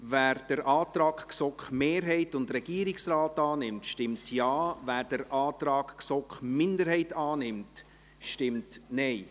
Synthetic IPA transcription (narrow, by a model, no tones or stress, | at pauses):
væːɾd̥əɾʔɑːtɾɑːkksɔkχmeːɾɦɛɪtʊndrɛɡ̥iːɾɪksraːtɑːnɪmtʃtɪmtʰjɑːvæːɾd̥əɾʔɑːtɾɑːɡksɔkχmɪndəɾhɛɪtɑːnɪmt | ʃtɪmtnɛɪ